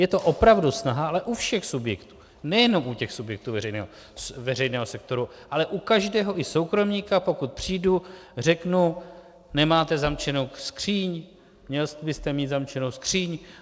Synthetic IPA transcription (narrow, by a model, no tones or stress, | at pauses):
jɛt̪o̞ʔo̞pɾavdusnaɦaalɛʔufʃɛxsubjɛkt̪u̥ː | nɛjɛno̞mʔucɛxsubjɛk̚t̪uːvɛɾɛjnɛ̰ːɦo | vɛrɛjnɛːɦosɛk̚t̪o̞ɾu | ʔalɛʔukaʒdɛːɦo̞ʔɪso̞wkɾo̞mɲiːkapo̞kut̪̚pr̝̥iːdur̝ɛknu | nɛmaːt̪ɛzamt͡ʃɛnowskr̝̥iːɲ | mɲɛlsbɪst̪ɛmiːt̪zamt͡ʃɛnowskr̝̥iːɲ